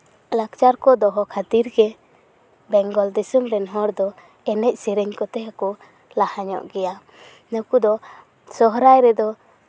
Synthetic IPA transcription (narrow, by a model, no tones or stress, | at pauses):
lakt͡ʃaɾkɔd̪ɔɦɔkʰat̪iɾɡɛ | bɛŋɡɔld̪isumɾɛnɦɔɾd̪ɔ | ɛnɛc̚siɾɛɲkɔt̪ɛakɔ | lahaɲɔ̰ʔɡɛja | nəkud̪ɔ | sɔɦɾajɾɛd̪ɔ